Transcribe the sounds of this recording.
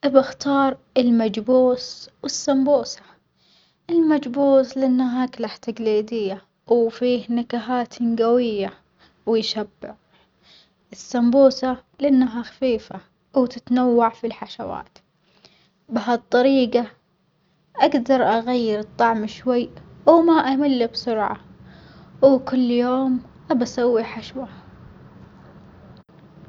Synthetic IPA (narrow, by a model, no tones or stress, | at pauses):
ʔɪbaxt̪ɑːɾˤ | ɪlmad͡ʒbuːswɪsːambuːsḁ | ʔɪlmad͡ʒbuːslɪʔɪnːaɦaːklaħt̪aɡliːd̪ɪjːa | wfiːhnakaɦaːt̪nɡawɪjːa | wɪjʃabːɪʕ | ʔɪsːambuːsalɪʔɪnːaɦaxḁfiːfa | wt̪ɪt̪nawːaʕfilħaʃawa̰ːt̪ | bɪɦat̪ˤːɑɾiːɡa | ʔaɡd̪ɑɾˤʔaɣajːɪɾɨt̪ˤːɑʕmʃwajːʔwmaʔamɪlːibsʊɾʕa̰ | wkʊlːjoːm | ʔabasawːiħaʃwaha